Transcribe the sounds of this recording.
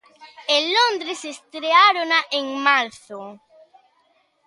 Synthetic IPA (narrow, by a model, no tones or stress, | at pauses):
elond̪ɾesest̪ɾeaɾonaʔeŋmaɾθo